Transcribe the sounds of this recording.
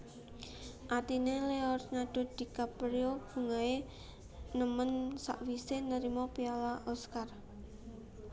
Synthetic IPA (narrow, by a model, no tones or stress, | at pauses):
ʔat̪ineleɔrɲaɖ̥ɔ̤d̪̥i̤kapɾiob̥ṳŋae | nəmənsa̰ʔwisenəɾimɔpialaʔɔskar